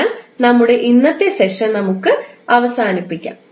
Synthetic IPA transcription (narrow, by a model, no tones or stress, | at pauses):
lnɐmːuɽe̞ʔinːɐt̪ːese̞ʂɐnnɐmukːɨɐʋɐsaːnipːikʲːa̰ːm